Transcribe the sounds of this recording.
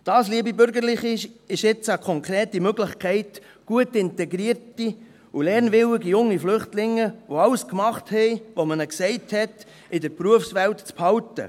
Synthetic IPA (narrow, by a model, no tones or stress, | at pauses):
d̥ɑːsliəbibʏɾɡəɾlɪχɪɪʃɪt͡səkʰɔŋkʰɾɛːtimøɡlɪχkʰɛɪt | ɡ̥uətɪntɛɡɾiərti | ulɛɾnʋɪwɪɡijʊŋːiflʏχtlɪŋːəʋoɑwskmɑχthɛɪʋomənəksɛɪthɛt | ɪdəɾpruəfsʋɛwtt͡sphɑwtə̰